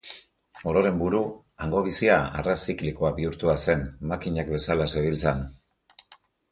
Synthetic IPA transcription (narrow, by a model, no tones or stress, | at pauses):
o̞ɾo̞ɾe̞mbuɾu | aŋɡo̞β̞isiaa̰rasiklikoabiuɾt̪uase̞nmakiɲakbe̞salaseβilt͡san